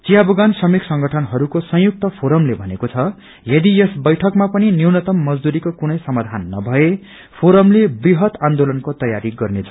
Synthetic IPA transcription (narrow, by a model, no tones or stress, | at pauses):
t͡sijabuɡansʌmiksʌŋɡʌʈʰʌnɦʌɾukosʌ̃ɦjuk̚t̪ʌpʰoɾʌmlebʱʌnekot͡sʰʌ | jʌd̪ijesbʌjʈʰʌkmapʌniniwnʌt̪ʌmːʌd͡zd̪uɾikokunʌjsʌmad̪ʱanːʌ̰bʱʌe | pʰoɾʌmlebriɦʌt̪ãnd̪olʌnkot̪ʌjaɾiɡʌrnet͡sʰʌ̥